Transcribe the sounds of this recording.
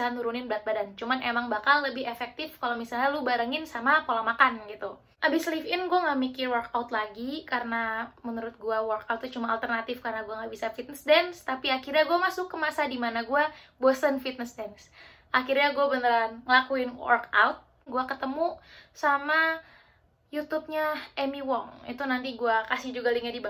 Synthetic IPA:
anuɾunɪnbɾat̪̚badant͡ʃumanemaŋbakalːəbɪhefɛk̚t̪ɪfkalomisalɲalubaɾəŋɪnsamapolamakanɡit̪u | ʔabɪslifɪnɡuaŋamikɪwərkaʊt̪̚laɡikaɾənamənuɾʊt̪̚ɡuawərkaut̪ːut͡ʃumaalt̪ərnat̪ɪfkarənaɡuaŋɡabisafit̪̚nəsdɛnst̪apiakirɲaɡuamasʊkːəmasadimanaɡuabosənfit̪̚nəsdɛns | ʔakirɲaɡuabənəɾanŋəlakuɪnwɔ̰rka̰ʊt̪̚ | ɡuakət̪əmusama | jut̪ʊp̚ɲaʔɛmiwɔŋḭt̪unant̪iɡuakasɪhd͡ʒuɡaliŋadiba

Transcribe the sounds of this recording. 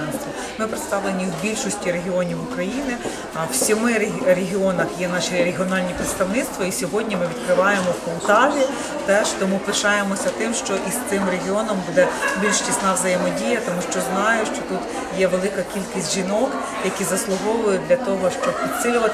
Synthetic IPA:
nisʲt̪ʋi | mɪpɾɪt̪st̪ɑʋlˠenʲiwbʲilʲʃɔsʲtʲiɾe̞ɦʲiɔnʲiwʊkɾɐjinɪ | ɐwsʲɔmɪɾɾeɦʲiɔnɐxjɛnɑʃiɾeɦʲiɔnɑlʲnʲipɾɪt̪st̪ɐʋnɪt̪st̪ʋɔisʲɔɦɔdʲnʲimɪʋʲid̪kɾɪʋɑjemɔwkɔwt̪ɑlʲi | t̪ɛʃt̪ɔmupɪʃɑjemɔsʲɐt̪ɪmʃt͡ʃɔʔist̪ɪmɾeɦʲiɔnɔmbud̪ɛbʲilʲʃt͡ʃʲisnɑʋzɐjemɔdʲijɐt̪ɔmuʃt͡ʃɔznɑjʊʃt͡ʃɔt̪ut̪ | jɛʋelˠɪkɐkʲilʲkisʲtʲʒinɔk | jɐkʲizɐslˠʊɦɔʋɔjʊd̪lʲɐt̪ɔɦɔʃt͡ʃɔb̚pʲid̪ʲsɪlʲʊʋɐt̪

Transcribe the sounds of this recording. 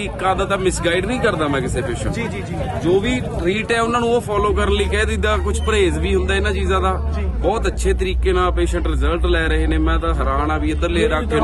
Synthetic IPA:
ikaːd̪aːt̪ãːmɪsɡaːɪɖnəĩːkəɾd̪aːmɛ̃ːkɪseːpeːʃə̃ɳːi | d͡ʒoːʋiː | ɾiːʈɛːʊnːãːnũːoːpʰɔːloːkəɾənliːkɛːd̪id̪aːkʊt͡ʃʰpəɾeːzʋiːɦʊnd̪aːɪnãːt͡ʃiːzãːd̪aːbɔːt̪ətːʃʰeːt̪əɾiːkeːnaːpeːʃəɳʈɾɪzəlʈlɛːɾəɦeːneːmɛ̃ːt̪ãːɦəɾaːnaːʋiːəd̪əɾleːɾaːkʰː

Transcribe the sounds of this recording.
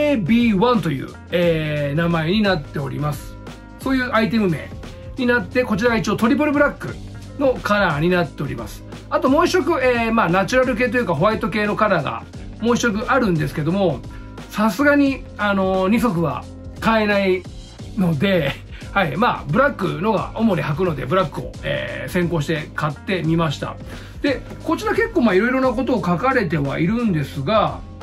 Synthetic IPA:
ebʲiːβãnt̪o̞jɯ̟̰ː | eːnamae̞ɲ̟inat̪ːe̞o̞̰ɾʲḭmasɨ̥ | so̞ːjɯ̟ːʔait̪̬emɯ̟me̞̰ː | ɲ̟inat̪ːe̞ko̞t͡ɕiɾaɡait͡ɕioːt̪o̞ɾʲipoɾɯbɯ̟ɾakːɯ̟̰ | no̞kanaːɲ̟inat̪ːe̞o̞ɾʲḭma̰sɨ̥ | at̪o̞mo̞ːiɕo̞k̬ɯ̟eːmaːnat͡ɕɨɾaɾɯ̟k̬e̞ːt̪o̞jɯkaɦo̞βait̪o̞ke̞ːno̞kaɾaɡa̰ | mo̞ːiɕo̞k̬ɯ̟ʔaɾɯ̟̃nd̪e̞sɨ̥ke̞d̪o̞mo̞ | sasɨɡaɲ̟i | ano̞ɲ̟iso̞k̬ɯ̟βa̰ | kae̞nai | no̞d̪e̞ | haimaːbɯ̟ɾakːɯ̟̰no̞ɡa̰o̞mo̞ɾʲihak̬ɯ̟no̞d̪e̞̰bɯ̟ɾakːɯ̟o̞̰ḛːsẽ̞ŋko̞ːɕ̬i̥t̪e̞kat̪ːe̞mʲimaɕi̥t̪a̰ | d̪̥e̞ | ko̞t͡ɕiɾake̞kːo̞ːmaːiɾo̞iɾo̞nako̞t̪o̞ːkakaɾe̞t̪e̞βa̰iɾɯ̟̃nd̪e̞sɨɡa

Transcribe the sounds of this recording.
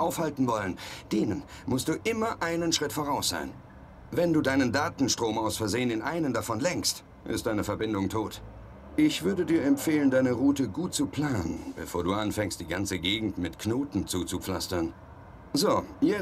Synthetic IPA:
ʔaʊfhaltn̩vɔlənd̥eːnən | mʊstd̥uːʔɪmɐʔaɪnənʃʁ̥ɪtfoːʁ̞aʊsz̥a̰ɪn | vɛnduːdaɪnəndaːtn̩ʃtʁ̥oːmʔaʊsfɛɐzeːənɪnʔaɪnəmdafɔnlɛŋkst | ʔɪ̰st̚d̥aɪnəfɛɐbɪndʊŋtʰoːt | ʔɪçv̥ʏɐdədiːɐɛmfeːləndaɪnəʁuːtəɡuːt̚t͡supʰl̥aːnənb̥əfoːɐduːʔanfɛŋst̚d̥iːɡant͡səɡeːɡŋ̩tmɪtkʰnoːtn̩t͡suːt͡sup͡fla̰stɐn | zoːjɛ

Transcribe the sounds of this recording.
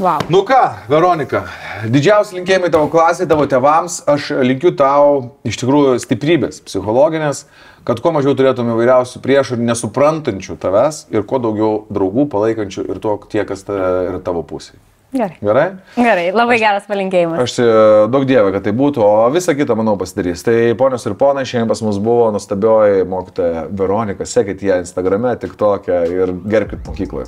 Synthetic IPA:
ʋɐnʊkɑːʋʲɛɾoːnʲɪkɐd̪ʲɪd͡ʒʲɛʊsʲɪlʲɪŋʲkʲeːjɪmɐɪt̪ɑːʋoːklˠɑːsʲeːjt̪ɑːʋoːt̪ʲeːʋɐmsɐʃlʲɪŋʲkʲʊt̪ɐʊɪʃt̪ʲɪkɾuːjʊsʲt̪ʲɪpʲɾʲiːbʲeːspʲsʲɪxoːlˠoːɡʲɪnʲeːs | kɐt̪kuɔmɐʒʲɛʊt̪ʊɾʲeːt̪ʊomɪʋɐɪɾʲɛʊsʲʊpʲɾʲiɛʃʊɾʲnʲɛsʊpɾɐnt̪ɐnʲt͡ʃʲʊt̪ɐʋʲæsɪɾkuɔd̪ɐʊɡʲɛʊd̪ɾɐʊɡuːpɐlˠɐɪkɐnʲt͡ʃʲʊʔɪ̰ɾt̪uɔkt̪ʲiɛkɐst̪ɐɪɾt̪ɑːʋoːpʊsʲej | ɡʲɛɾɐɪɡʲɛɾɐɪɡʲɛɾɐɪlˠɐbɐɪɡʲæːɾɐspɐlʲɪŋʲkʲeːjɪmɐɐʃsʲɪd̪ɐʊk̚d̪ʲiɛʋʲɛkɐt̪t̪ːɐɪbuːt̪ʊoːʋʲɪsɐkʲɪt̪ɐmɐnɐʊpɐsʲɪd̪ɐɾʲiːst̪ɐɪpoːnʲoːsɪɾpoːnɐɪʃʲɛːmpɐsmʊsbʊʋoːnuɔst̪ɐbʲoːjɪmoːkʲɪt̪oːjɛʋʲɛɾoːnʲɪkɐsʲæːkʲɛt̪ʲjɛɪnst̪ɐɡɾɐmʲɛt̪ʲɪkt̪oːkʲɛɪrɡʲɛɾʲp̚ʲkʲɪt̪moːkʲiːklˠo̰ːj

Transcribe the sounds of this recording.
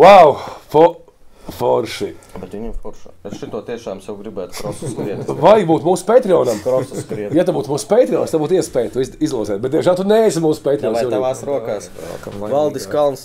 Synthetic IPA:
wawfɔ | fɔɾʃibɛt̪ʋiɲʲɛmfɔɾʃaesʃit̪uɔt̪iɛʃaːmsjawɡɾibæːt̪kɾɔsɾiɛt̪vajɡbuːt̪muːspʲejt̪ɾiɔːnamkɾɔsskɾiɛt̪jat̪abuːt̪muːspejt̪ɾiɔːnst̪abuːt̪iɛspɛːjt̪uiizlˠuɔzɛːt̪̚bet̪d̪iɛmʒælˠt̪uneːsimuːsu̥pʲeːt̪ɾʲiɔːnsjɛavaːsɾuɔkaːs | valˠd̪iskalˠns

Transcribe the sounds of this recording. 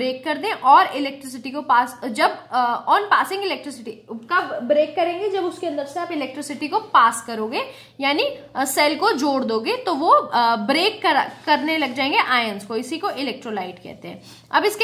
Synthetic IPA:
ɾeːkːɐɾd̪ẽʔɔːɾɪlɛːk̚ʈɾɪs̬ɪʈikopaːsd͡ʒɐbɔːnpaːsɪ̃ŋɡɪlɛːk̚ʈɾɪsɪʈikabɾeːkːɐɾẽːŋɡed͡ʒɐbʊskeɐ̃nd̪əɾseaːpɪlɛːk̚ʈɾɪsɪʈikopaːskɐɾoːɡeː | jaːnisɛːlkod͡ʒoːɽd̪oːɡet̪oʋobɾeːkːɐɾkɐɾnelɐɡd͡ʒaːẽːŋɡeʔaːjənskoɪsikoʔɪlɛːk̚ʈɾolaːɪʈkɛ̰ːɦt̪eɦɛ̰̃ː | ɐbɪsk

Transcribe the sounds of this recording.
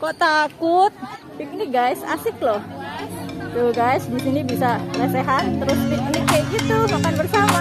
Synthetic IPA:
koʔt̪akʊt̪̚ | pikniɡajsa̰sɪk̚lɔh | joɡajsdisinibisanaseɦant̪əɾʊspik̚nikeit̪umakanbərsama

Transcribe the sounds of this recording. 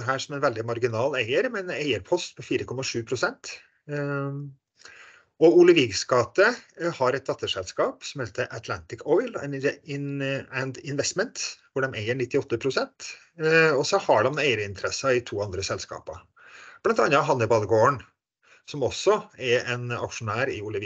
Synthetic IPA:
ɦæːʂɔmɛnʋɛld̪ɪmɑɾɡɪnɑːlæɪəɾmɛɛnæɪəɾpʰɔst̪pɔfiːɾəkʰɔmːɑʂʉːpʰɾʊsɛnt̪ | ɔʊlɪʋɪɡskɑːt̪ːəhɑɾɛt̪̚d̪ɑt̪ːəʂɛlskɑːpsɔmheːt̪ʰəʔət̪ʰlænt̪ɪkɔʏlɛ̰nɪnænd̪ɪnʋɛst̪mənt̪ʋʊɖɛmæɪəɳɪt̪ːɪɔt̪ːəpʰɾʊsɛnt̪ | ɔsɔhɑɖɛmnːæɪɾɪnt̪əɾɛsɑɪt̪ʰuːɑnd̪ɾəsɛlskɑ̰ːpɑ | b̥lɑnt̪ɑnːɑɦɑnːɪbɑːd̪ɡoːəɳ | sɔmɔsɔɛɾɛnɑ̰kʂʊnæːɾɪʊləʋi

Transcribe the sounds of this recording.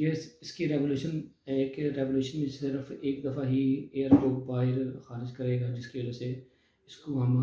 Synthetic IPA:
jesɪskiɾɛʋoːluːʃənɦɛkeɾɛʋoːljuːʃənmẽsɪɾəfeːkd̪ɐfaɦieːəɾkoːbaːɦɪɾxaːɾɪd͡ʒkɐɾeːɡaːd͡ʒɪskiʋɐd͡ʒase | ɪskoɦɐm

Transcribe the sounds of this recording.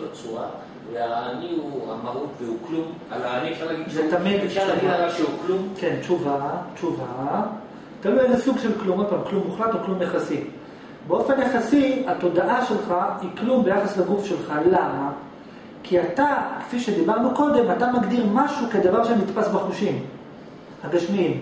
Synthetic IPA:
at͡suʁa | veaniua̰maʁut̪veuklum | alanialaɡizet̪amid̪alaʃeuklumke̞nt͡ʃuvat͡ʃuva | t̪aluezesuɡʃe̞lklumopamklumːuχlat̪oklumjaχasi | beo̞fe̞njaχasiato̞daʔaʃe̞lχaiklumbe̞jaχaslaɡufʃe̞lχalama | kʰiat̪ake̥fiʃe̞d̪ibaʁnuko̞d̪e̞mat̪amaɡd̪iʁmaʃuked̪avaʁʃenit̪pasbaχuʃim | haɡaʃmiim

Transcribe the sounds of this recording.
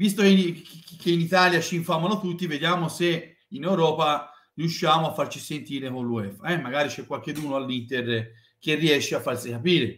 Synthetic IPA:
vist̪okenkːeinit̪aːljat͡ʃiːɱfamanot̪ut̪ːived̪jaːmose | inewɾɔːpa | riuʃːaːmoafːart͡ʃisent̪iːɾekonluɛfaɛmːaɡaːɾit͡ʃɛkwalk̟ed̪uːnoalːint̪er | k̟erːiɛʃːeafːarsikapiːɾe

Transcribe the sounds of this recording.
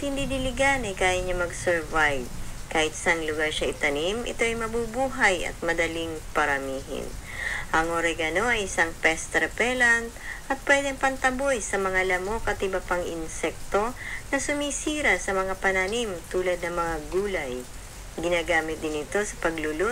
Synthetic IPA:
t̪hɪnd̪id̪ɪlɪɡanɐjkaːjɐɲamɐɡsɛɹvajb̚kaːhɪt̪̚sɐŋlʊɡaɹʃɐʔɪt̪ɐnimʔɪ̰t̪o̞ʔɐjmɐbubuːɦɐjɐ̰t̪̚mɐd̪ɐliŋpɐɾɐmiːɦɪ̰n | ʔɐŋʔoɾɛɡɐno̞ɐjɪsaŋpɛst̪ɾɛpɛlant̪̚ʔɐt̪̚pwɛːd̪ɛŋpɐnt̪ɐbo̞jsɐmɐŋalɐmo̞kɐt̪ʔɪbɐpaŋʔɪnsɛk̚t̪o̞nɐsʊmisiːɾɐsɐmɐŋapɐnanimt̪uːlɐd̪̚nɐŋmɐŋaɡuːlɐj | ɡɪnaːɡaːmɪt̪̚d̪ɪnɪt̪o̞sɐ̥pɐɡlʊlo

